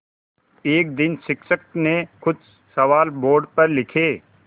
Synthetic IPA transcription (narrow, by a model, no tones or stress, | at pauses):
eːk̚d̪ɪnsɪksək̚nekʊd̪ | sɐʋaːlboːɾɖpɐɾlɪkʰeː